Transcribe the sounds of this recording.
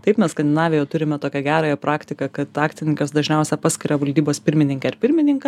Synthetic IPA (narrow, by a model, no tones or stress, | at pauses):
t̪ɐɪpmʲɛsskɐnʲd̪ʲɪnɑːʋʲɛjɛːt̪ʊɾʲɪmʲɛt̪oːkʲɛɡʲæːɾɑːjɛpɾɑːkt̪ʲɪkɐkɐt̪ɑːktt͡s̪ʲɪnʲɪŋʲkɐsd̪ɐʒʲnʲɛʊsʲɛpɑːsʲkʲɪɾʲɐʋɐlʲd̪ʲiːboːspʲɪɾʲmʲɪnʲɪŋkʲɛɐɾpʲɪɾʲmʲɪnʲɪŋkɐ